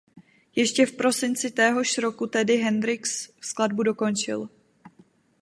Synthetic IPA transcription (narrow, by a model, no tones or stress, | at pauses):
jɛʃcɛfpɾo̞sɪnt͡sɪt̪ɛːɦo̞ʃɾo̞kut̪ɛdɪɦɛndɾɪksfskladbudo̞ko̞nt͡ʃɪ̰l